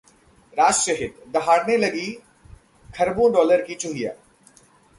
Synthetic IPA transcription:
ɾaːd͡ʒʃɐɦɪd̪d̪ɐɦaːɽnelɐɡi | kʰɐɾbõɖɔːləɾkit͡ʃʊɦija̰ː

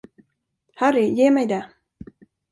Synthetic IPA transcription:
hæɾɪjeːmɛjd̪ɛ

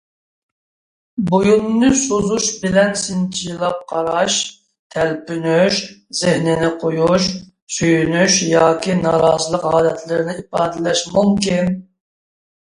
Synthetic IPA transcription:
bojunːɨsozuʃbɪlɛnsɪnt͡ʃʰijilˠɑp̚qʰɑɾɑʃ | t̪ʰɛlpynyʃz̥ɪhnɪnɪqʰojuʃ | syjynyʃjɑːkʲinɑɾɑːzɨlˠəqɑːlɛt̪ʰlɪɾɪnɪipɑːd̪ɪlɛʃmumkʲin

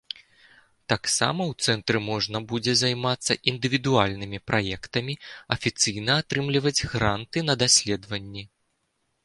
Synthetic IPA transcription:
t̪aksa̰mɐwt̪sɛnt̪ɾɨmɔʐnɐbud͡zʲɛzajmat̪sːɐ̰ʔind̪ɨvʲid̪ualʲnɨmʲipɾʔajɛkt̪ɐmʲiɐfʲit̪sɨjnɐat̪ɾɨmlʲivɐd͡zʲɣɾant̪ɨnɐd̪asʲlʲɛd̪vɐnʲːi

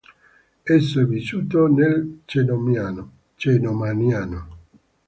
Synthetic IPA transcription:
ɛsovisut̪onelt͡ʃenomjano | t͡ʃenomaniano

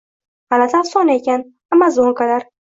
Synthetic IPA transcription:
alat̪ʰasɒnekʲan | amːazoŋkalaɾ

